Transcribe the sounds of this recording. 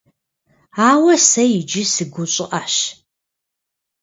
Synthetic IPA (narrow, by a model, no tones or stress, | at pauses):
aːwɐsɐjɪd͡ʒɪsɨɡʷʊɕʼɪʔaɕ